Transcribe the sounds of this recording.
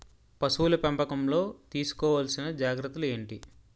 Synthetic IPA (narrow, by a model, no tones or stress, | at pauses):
pɐsuːlɐpɐmpɐkɐmlo̞ːt̪iːsu̥kɔːʋaːlsinɐd͡ʒaːɡɾɐt̪ːule̞ːɳʈi